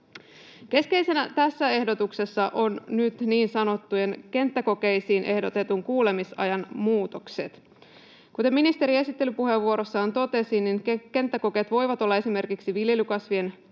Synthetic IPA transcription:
ke̞ske̞jse̞næt̪æsːæe̞hdo̞t̪ukse̞sːɑʔo̞nnyt̪niːnsɑno̞t̪ːuje̞nke̞nt̪ːæko̞ke̞jsiːnʔe̞hdo̞t̪e̞t̪uŋkuːle̞misɑ̰jɑnmuːt̪okset̪ | kut̪eminist̪e̞ɾie̞sit̪ːe̞lypuɦe̞ʋːuo̞ɾo̞sːɑːnt̪o̞t̪e̞sinːiŋke̞nt̪ːæko̞ket̪ʋo̞jʋɑt̪o̞lːɑe̞sime̞rkiksiʋilje̞lykɑsʋie̞n

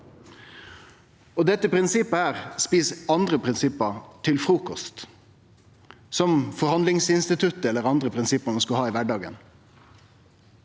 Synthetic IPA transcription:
oːd̪ɛt̪ːəpʰɾɪnsɪpːəæːʁspiːsɑnd̪ɾəpʰʁɪnsɪpːət̪ʰɪlfɾuːkɔst̪ | sɔmfɔɾhɑnlɪŋsɪnst̪ɪt̪ʰʉt̪əɛlːəʁɑnd̪ɾəpʰɾɪnsɪpːəmɛnskʉhɑːiːʋæɖɑːɡə̰n

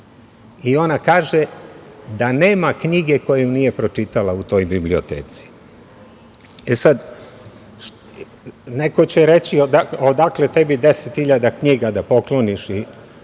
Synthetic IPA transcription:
io̞nakaːʒed̪ane̞ːmakɲiɡe̞ko̞jejunije̞pɾo̞t͡ʃit̪alaut̪o̞jbiblio̞t̪ḛːt̪si̥ | esad̪ | nekot͡ɕeɾet͡ɕiod̪aod̪akle̞t̪ebid̪eset̪xiʎad̪akɲiɡad̪apo̞klo̞niʃi

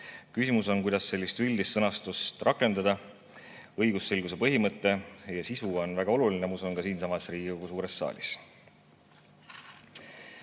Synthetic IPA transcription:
kysimuso̞nkujd̪ɑsːe̞lʲːist̪yld̪̥ist̪sɤnɑst̪ust̪rɑkːˑe̞nd̪̥ɑd̪̥ɑ | ɤjɡusːelɡ̥usepɤɦimɤt̪ːˑe̞jɑsisuo̞nvæɡ̥ɑo̞lulinemusonkɑsiːnsɑmɑsriːɡioɡ̥us̬uːɾe̞sːɑ̰ːlʲis

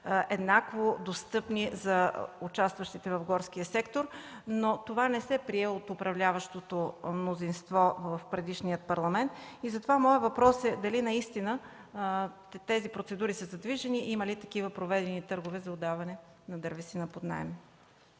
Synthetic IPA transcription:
ʔɛd̪nakvod̪ost̪ɤpnizɐut͡ʃast̪vəʃt̪it̪ɛvɐvɡɔɾsk̟ijəsɛkt̪oɾnot̪ovanɛsɛpɾiɛot̪ʊpɾɐvlʲavɐʃt̪ot̪omnozinst̪vɔvəfpɾɛd̪iʃnijət̪̚pɐɾlˠɐmɛnt̪izɐt̪ovamɔəvɐpɾɔsɛd̪ɐlinɐist̪inə | t̪ɛzipɾot̪sɛd̪uɾisəzɐd̪viʒɛniʔimɐlit̪ɐkivəpɾovɛd̪ɛnit̪ɤɾɡovɛzɐod̪avɐnɛ | nɐd̪əɾvisinɐpod̪na̰ɛmɛ

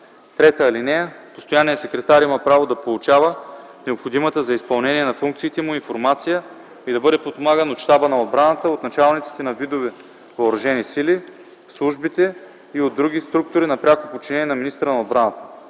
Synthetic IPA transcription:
t̪ɾɛt̪əːlinɛpost̪ojanijəsɛkɾɛt̪aɾiməpɾavod̪ɐpolˠʊt͡ʃavə | nɛopxod̪imət̪əzɐispɐlˠnɛniɛnɐfuŋk̚t̪siːt̪ɛmʊinfoɾmat̪sijə | id̪ɐbɤd̪ɛpopomaɡənoʃt̪abənɐod̪̚bɾanət̪əot̪nɐt͡ʃalˠnit̪si̥t̪ɛnɐvid̪ovɛ | vɐːɾɐʒɛnisili | slˠuʒbit̪ɛ | iod̪ːɾuɡʲist̪ɾuk̚t̪ʊɾinɐpɾʲakopot͡ʃinɛniɛnɐminist̪ɾənɐod̪bɾanət̪ə̥

